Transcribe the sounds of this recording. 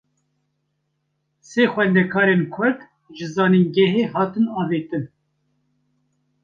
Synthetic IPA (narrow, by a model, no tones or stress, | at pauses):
seːxʷɛnd̪ɛkʰɑːɾeːnkʰʊɾd̪ | ʒɨzɑːninɡɛɦeːɦɑːt̪ɨnɑːveːt̪ɨn